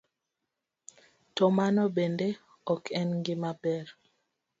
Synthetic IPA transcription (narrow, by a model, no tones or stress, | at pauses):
tɔmanɔbende | ɔkʰɛnŋɡɪmabɛɾ